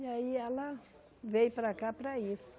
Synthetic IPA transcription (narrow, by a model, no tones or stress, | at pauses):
iaiɛlɐ | vejpɾakapɾɐisʊ̥